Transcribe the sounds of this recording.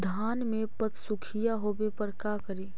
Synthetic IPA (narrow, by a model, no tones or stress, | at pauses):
d̪ʱaːnmẽpət̪sʊkʰijaɦobepəɾkakəɾiː